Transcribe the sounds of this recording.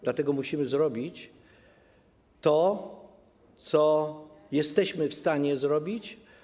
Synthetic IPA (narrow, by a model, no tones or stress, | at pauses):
d̪lat̪ɛɡɔmuɕimɘzɾɔbʲit͡ɕ | t̪ɔ | t̪sɔjɛst̪ɛɕmɘfst̪aɲɛzɾɔbʲit͡ɕ